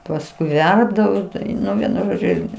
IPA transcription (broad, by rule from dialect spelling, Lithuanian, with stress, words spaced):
pɐsˈkʊɪ ˈʋʲɛrbdɐʋoː ˈtɐʊ ˈnʊ ˈʋʲiɛnʊ ˈʒoːd͡ʒʲʊ ˈɪrʲɡʲɪ